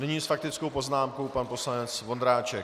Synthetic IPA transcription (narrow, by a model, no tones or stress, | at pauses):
nɛɲiːsfak̚t̪ɪt͡skowpo̞znaːmko̞wpanpo̞slanɛt͡svo̞nd̪ɾaːt͡ʃɛ